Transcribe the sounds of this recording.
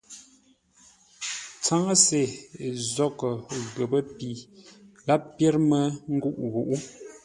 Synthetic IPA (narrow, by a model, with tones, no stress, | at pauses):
t͡sa˦ŋə˦se˨zɔ˦˨kə˨ɣə˨bə˦pi˨ | la˦ppjɛ˦ɾmə˦ŋ̩˦ɡu˦ʔɣu˨ʔu˦